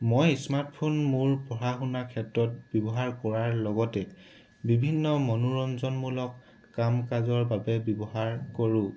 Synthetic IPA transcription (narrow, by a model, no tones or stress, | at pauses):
mojsmaɹtpʰonmuɹpɔɹaxunakʰɛtɹɔt̚bjɔbɔɦaɹkɔɹaɹlɔɡɔtɛ | bibʱinːɔmɔnuɹɔnzɔnmulɔkː | amkazɔɹbabɛbjɔbɔɦaɹkoɹũ